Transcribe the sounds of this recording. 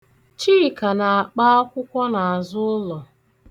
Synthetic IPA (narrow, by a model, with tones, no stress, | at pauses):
t͡ʃiː˦˨ka˨na˨a˨k͡pa˦ɔ˦kʷʊ˦kʷɔ˦na˨a˨zʊ˦ʊ˦lɔ˨